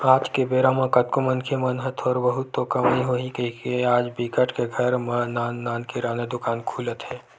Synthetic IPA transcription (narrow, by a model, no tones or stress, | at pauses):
aːd͡ʒkebeːɾãmãkət̪̚komə̃nkʰemɐnɦət̪ʰɔːɾbɐɦʊt̪ːokɐmiɦoːɦikəɦikeaːd͡ʒbikəʈkeɡʱɐɾmanaːnːaːnkeɾaːned̪ʊkaːnkʰuːlət̪ɦɛː